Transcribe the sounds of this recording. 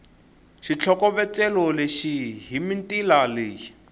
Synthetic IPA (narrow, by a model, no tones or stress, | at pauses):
ʃit͡ɬʰɔkɔβɛt͡sɛlɔleʃiɦimintʼilaleːji